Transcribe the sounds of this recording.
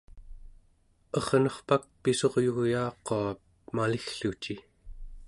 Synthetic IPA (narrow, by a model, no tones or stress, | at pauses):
ʌʁnʌχpak̚piso̞ʁjuɣjɑːqoa | malixɬut͡ʃi